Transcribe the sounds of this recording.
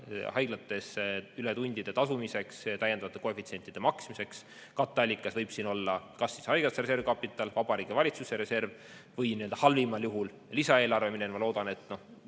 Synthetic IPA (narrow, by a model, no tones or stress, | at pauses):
hɑjɡ̥lɑt̪ːˑe̞syle̞t̪unʲd̪̥id̪̥e̞t̪ɑsumise̞kst̪æjːend̪ɑvɑt̪ekoefit̪sie̞nʲt̪id̪̥e̞mɑksmise̞ks | kɑt̪ːˑɑlʲːikːˑɑsvɤjb̥siːno̞lːɑkɑsːishɑjɡ̥ɑseɾe̞se̞rvkɑpːˑit̪ːˑɑlvɑb̥ɑɾiːɡ̥evɑlʲit̪suseɾe̞se̞rv | vɤjniøld̪̥ɑhɑlvimɑljuɦul | lisɑe̞ːlɑrve̞minenmɑlo̞ːd̪̥ɑne̞t̪ːˑno̞h